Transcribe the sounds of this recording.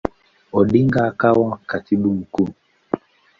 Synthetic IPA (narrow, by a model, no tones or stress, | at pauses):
ɔɗiŋɡakawakatiɓum̩ku